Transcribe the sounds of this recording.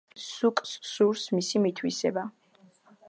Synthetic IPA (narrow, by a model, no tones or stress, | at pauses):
sukʼsːuɾsmisimit̪ʰwḭsɛ̰ba